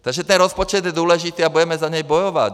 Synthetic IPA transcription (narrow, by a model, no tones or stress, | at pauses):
t̪aɡʒɛt̪ɛnɾɔspɔt͡ʃɛd̪jɛd̪ʊɔlɛʒit̪iːabuɟɛmɛzaɲɛjbɔjɔʋa̰